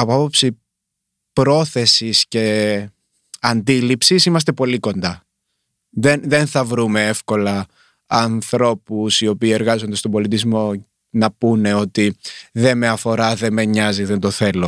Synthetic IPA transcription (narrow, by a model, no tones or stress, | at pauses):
ɐpoɐpo̞psi | pɾo̞θe̞sisce̞ | ɐnd̪ilipsisimɐs̬t̪e̞po̞liko̞nd̪ɐ | ðenðe̞nθɐvɾume̞efko̞lɐ | ɐnθɾo̞pusio̞piːe̞ɾɣɐzo̞nd̪ɐst̪obo̞lit̪izmo̞ | nɐpune̞o̞t̪iðe̞me̞ɐfo̞ɾɐðe̞me̞ɲɐziðe̞nd̪o̞θe̞lo̞